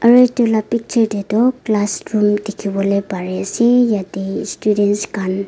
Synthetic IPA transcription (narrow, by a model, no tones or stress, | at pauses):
ʔəɹet̪ølapik̚t͡ʃʰəɹd̪ed̪oklasɹumd̪ikʰiwolepaɹesejad̪istudensɡan